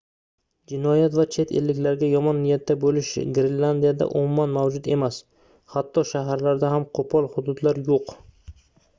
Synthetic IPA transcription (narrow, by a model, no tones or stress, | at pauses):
d͡ʒɪnɒjat̪vat͡ʃʰe̞t̪ʰelːɪkʲlaɾɡʲajɒmɒnːɪjat̪ʰːabolɪʃɡɾɪnland̪ijad̪a̰ʔʊmʊmːanmawd͡ʒʊd̪e̞mas | hat̪ːɒʃaɦaɾlaɾd̪aɦamqʰopʰɒlˠhʊd̪ʊd̪laɾjoq